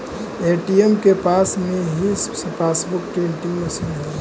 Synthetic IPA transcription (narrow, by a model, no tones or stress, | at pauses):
eːʈiemkepaːsmẽɦisspaːsbʊkʈeɳʈiŋmɐsiːnɦ